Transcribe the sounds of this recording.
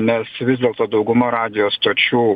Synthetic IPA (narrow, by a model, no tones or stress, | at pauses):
nʲɛsʋʲɪzd̪ʲeɛlˠt̪oːd̪ɒʊɡʊmoːɾɑːd̪ʲɪjoːsst̪oːt͡ʃʲuː